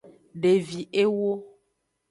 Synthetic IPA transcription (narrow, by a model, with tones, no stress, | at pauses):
ɖe˨vi˨ʔe˦wo˦